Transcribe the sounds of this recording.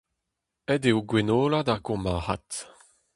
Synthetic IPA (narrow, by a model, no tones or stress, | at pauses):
ɛdeoɡwenoːladaʁɡɔ̃maːʁa̰t